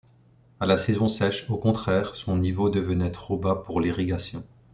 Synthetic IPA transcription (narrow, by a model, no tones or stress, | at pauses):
alasɛzɔ̃sɛʃokɔ̃t̪χɛːʁsɔ̃nivod̪əvənɛt̪χobapuʁliʁiɡasjɔ̃